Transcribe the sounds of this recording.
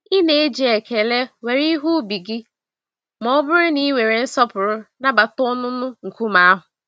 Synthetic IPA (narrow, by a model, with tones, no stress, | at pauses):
i˦ne˨e˦d͡ʒi˨e˨ke˨le˦we˨ɾi˦ɦu˦bi˨ɡɪ˦ | mɔ˦bʊ˦ɾɪ˦ni˦we˨ɾe˨n̩˦sɔ˦pʊ˨ɾʊ˦na˦ba˨tʊ˦nʊ˦nʊ˦ŋ̩˨kʷu˦ma˦a˦ɦʊ˨